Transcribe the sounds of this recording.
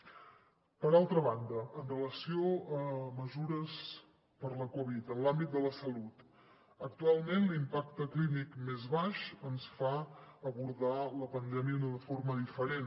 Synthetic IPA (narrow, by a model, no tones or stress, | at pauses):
pəɾalˠt̪ɾəβ̞and̪əːnrələsioəməzuɾəs | pəɾləkɔβit̪ənlambit̪̚d̪ələsəlut̪ | ək̚t̪ualˠmenlimpak̚t̪əklinikmezβaʃənsfaəβuɾðaləpənd̪ɛmiəunəðəfoɾməðifəɾen